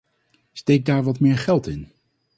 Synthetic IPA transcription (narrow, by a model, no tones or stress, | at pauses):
stejɡ̚daːɹʋɑtmɪːɹχɛlˠtɪn